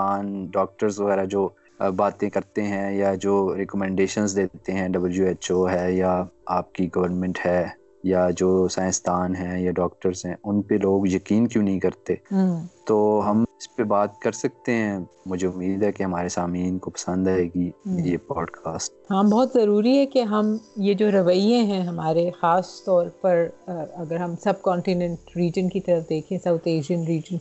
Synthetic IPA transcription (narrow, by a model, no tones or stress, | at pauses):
aːnɖɔːk̚ʈəɾzʋɐɣɛːɾad͡ʒoː | baːt̪ẽkɐɾt̪eɦɛ̃jad͡ʒoːɾekɔmɛ̃ːɳɖeːʃənzd̪eːt̪eɦɛ̃ɖɐbəljueːt͡ʃoːɦɛjaaːp̚kiɡɐʋəɾnmɛ̃ɳʈhɛː | jad͡ʒoːsãːɪ̃st̪ʰaːnɦɛ̃jaɖɔːkʈəɾzɦɛ̃ʊnpeloːɡjɐkiːnkjũːnɐɦĩkɐɾt̪et̪oːɦɐmɪspebaːt̪̚kɐɾsɐk̚t̪eɦɛ̃mʊd͡ʒʱeʊmːiːd̪ɦɛkeɦɐmaːɾesaːmiːnkopɐ̥sə̃nd̪aːeːɡiːjepɔːɖkʰaːsʈ̚ɦãbɔːt̪zɐɾuːɾiɦɛkeɦɐmjed͡ʒoːɾɐʋəiẽɦɛ̃ɦɐmaːɾexaːst̪ɔːɾpɐɾɐɡəɾɦɐmsɐb̚kɔ̃ːɳʈinɛ̃ɳʈɾiːd͡ʒənkit̪ɐɾəfd̪eːkʰẽːsaʊt̪ʰeːʃiənɾiːd͡ʒən